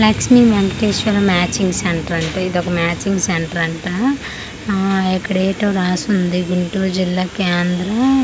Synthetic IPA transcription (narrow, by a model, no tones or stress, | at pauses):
laksmimenʈeːʃʋɐlɐmaːt͡ʃiŋɡseɳʈɐɾɐɳʈaid̪ɔkɐmaːt͡ʃiŋɡseɳʈɐɾɐɳʈa | ɛkːɐɽeːʈɐːɾaːsund̪iɡiɳʈuːd͡ʒilːaːkeːnd̪ɾɐ